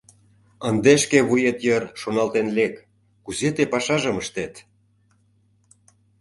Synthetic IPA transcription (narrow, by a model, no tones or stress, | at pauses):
ənd̪eʃkeβujet̪jərʃonɑlt̪enlekː | uzet̪epɑʃɑʒə̆məʃt̪et̪